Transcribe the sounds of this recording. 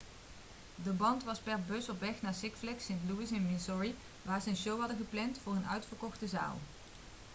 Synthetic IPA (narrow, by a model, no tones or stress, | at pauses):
dəbɑntʋɑspɛɹbɵsɔpʋɛχnaːɹsɪkflɛksɪntluɪsɛnmɪsɔɹi | ʋaːɹzəənʃowɦɑdəχəplɛntfʊːɹənœ̰ɥtfəɹkɔχtəza̰ːlˠ